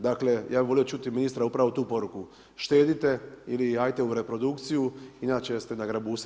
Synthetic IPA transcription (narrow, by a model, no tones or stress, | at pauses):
d̪akle̞jʔaːbiʋo̞lijo̞t͡ʃut̪iminist̪ɾaupɾaʋot̪uːpo̞ɾuku | ʃt̪e̞ːd̪it̪e̞iliaːjt̪e̞uɾe̞pɾo̞d̪ukt̪sijuinaːt͡ʃest̪e̞naɡɾabus